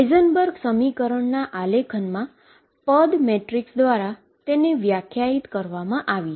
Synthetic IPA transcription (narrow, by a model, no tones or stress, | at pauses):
ezənbəɾɡsəmikəɾəɳnaʔalekʰənmã | pəd̪meʈɾiksd̪ʋaɾa | t̪eneʋjakʰjait̪kəɾʋamãʔaʋi